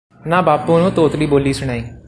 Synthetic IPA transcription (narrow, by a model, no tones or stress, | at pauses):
nãːbaːpuːnũːt̪oːt̪liːboːliːsʊɽ̃aːiː